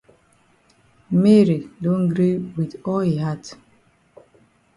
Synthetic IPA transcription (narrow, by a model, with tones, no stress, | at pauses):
me˦ɾi˨dõ˦nɡɾi˦wi˨ðɔ˦lhi˨ɦa˦t